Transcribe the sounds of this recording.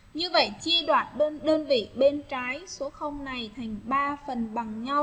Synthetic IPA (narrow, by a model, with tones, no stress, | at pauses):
ɲɨ˧və̰˧˨jt͡ɕi˧əɗwaː˨˩t̚ɗə˧nɗəː˧nvḭ˧˨ɓe˧nt͡ɕaː˨˦jso˨˦xə˧wŋ͡mna˨˩jt̪ʰa˨˩jŋ̟ɓaː˧fə˨˩nɓa˨˩ŋɲa˧w